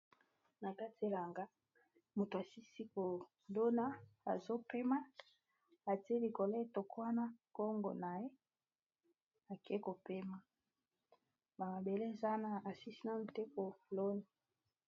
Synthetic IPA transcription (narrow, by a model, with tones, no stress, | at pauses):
na˨ka˦ti˨e˨la˨ŋɡa˦ | mu˨ta˨si˦si˦ko˨ | do˦na˦a˨zo˦pe˦ma˦ | a˨ti˦e˦li˨ko˨le˦e˦˨to˨ko˦wa˦na˦ko˦ŋɡo̰˨na˨je˦ | a˨ke˦ko˨pe˦ma˨ | ba˨ma˨be˨le˦˨za˦na˦a˨si˦si˦na˦˨ni˨te˦ko˨lo˦ni˨